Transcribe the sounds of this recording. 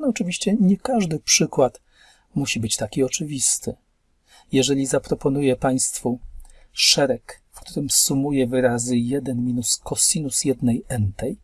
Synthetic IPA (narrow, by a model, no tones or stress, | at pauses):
nɔt͡ʂɘvʲiɕt͡ɕɛɲɛkaʐd̪ɘpʂɘkwat̪ | muɕibɘt͡ɕt̪akʲiɔt͡ʂɘvʲist̪ɘ | jɛʐɛlʲizapɾɔpɔnujɛpaj̃st̪fu | ʂɛɾɛkfkt̪uɾɘmsumujɛvɘɾazɘjɛd̪ɛnmʲinuskɔsinusjɛd̪nɛjɛnt̪ɛj